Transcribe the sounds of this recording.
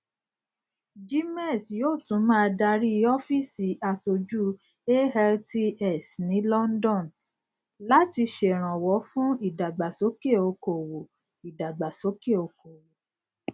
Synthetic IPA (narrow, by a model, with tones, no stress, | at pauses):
d͡ʒi˦mɛ˦˨sjoː˦˨tũ˨˦mãː˦˧˦da˧ɾi˦˧ɔ˦fi˦˨si˨ʔa˧so˨d͡ʒu˦ | e˦ɛ˧lti˦ɛ˦˨snĩ˨˦lɔ˦n̩˦dɔ̃˦˨n | la˨˦ti˧ʃe˨ɾ̃ã˨wɔ˨˦fũ˦i˦˨da˨ɡ͡ba˨so˨˦ke˦˨o˧ko˨wo˨ | i˨da˨ɡ͡ba˨so˨˦ke˦˨o˧ko˨wo˨